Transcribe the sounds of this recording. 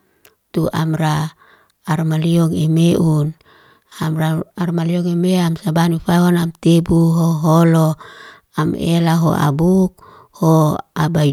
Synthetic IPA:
t̪uʔamraː | rmaliɔŋemeʔun | amraːrmaliɔŋemeamsabanifaɦonamt̪ebuɦoɦolo | amḛlaɦo̰ʔa̰buk̚ | hoabai

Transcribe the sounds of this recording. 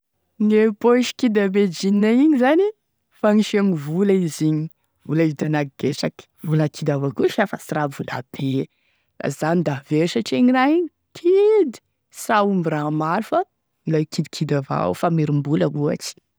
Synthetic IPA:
ŋepoʃi̥kid̪abed͡ʒinnaiɲizani | faŋiʃamivulaiziɲi | v̥ulaizdanaɡɡesakə̥vulakʰid̪avakuʃafasiɾavula̰b̥e | la̰zanid̪aveɾisaʈ͡ʂieɲiɾaiɲ | kʰid̪i̥ | saumiɾamaɾfa | ilakʰid̪ikʰid̪ava̰wfameɾimbuləɦua̰ʈ͡ʂi̥

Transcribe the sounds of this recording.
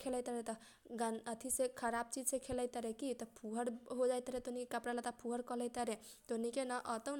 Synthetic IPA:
kʰelət̪əɾet̪ɔ | ɡanət̪ʰisekʰəɾab̚t͡ʃid͡ʒsekʰeləjt̪əɾekit̪ʌpʰuɦʌɽɦod͡ʒajt̪əɾet̪onikekapɽalat̪apʰuɦʌɽkʌləjt̪əɾe | t̪onikenʌʔʌt̪ʌ

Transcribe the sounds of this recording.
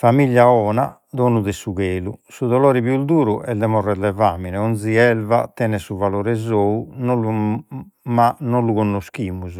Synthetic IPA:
famiʎːaɔːna | d̪oːnuðɛsuɣeːlusuðɔloːɾiβjud̪uːɾuʔɛd̪ɛmɔrːɛd̪ɛvaːminɛond̪ziɛlva̰t̪ɛːnɛsuvaloːɾɛzoːunolu | manoluɣonːoskiːmuz

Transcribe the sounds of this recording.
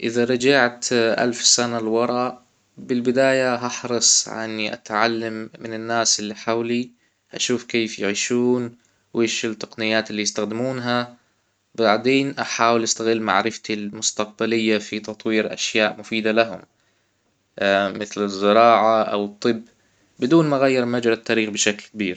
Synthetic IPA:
ʔɪðaɾˤɑd͡ʒaʕt̪ʔa̰lfsanalwɑɾˤɑʔ | bɪlbɪd̪aːjaɦɑħɾˤɑsˤʕa̰nːiʔa̰t̪ʕalːamːɪnɪnːaːsɪlːiħawli | ʔaʃuːfkeːfjɪʕiːʃuːn | weːʃɪlt̪ːɑ̥qnɪjːaːt̪ɪlːijst̪axd̪ɪmuːnɦa | baʕd̪eːnʔaħaːwɪlʔast̪aɣɪlːma̰ʕɾɪft̪ilmʊst̪aq̚balɪjːafit̪ɑt̪ˤwiːɾʔa̰ʃjaːʔmʊfiːd̪alaɦʊ̰m | mɪθlɪzːɪɾˤɑːʕaʔa̰wɨt̪ˤːɨbː | bɪd̪uːnmaɣajːɑɾˤmad͡ʒɾɑt̪ːaːɾiːxbɪʃaklkabiːɾ

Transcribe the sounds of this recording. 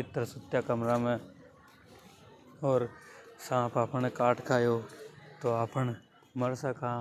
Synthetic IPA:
ɪt̪ːɾəsʊt̪jaːkəmɾaːmẽː | ɔːɾsãːpaːpəɳ̃kaːʈʰkʰaːjoːt̪oːaːpəɳ | məɾsakʰa

